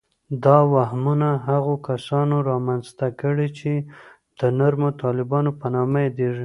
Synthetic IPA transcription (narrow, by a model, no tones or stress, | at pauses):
d̪ɑwaɦmunaɦaɣokasɑnoɾɑmanzt̪akəɽit͡ʃe | d̪̥ənaɾmot̪ɑlɪbɑnopanɑmajed̪eʐi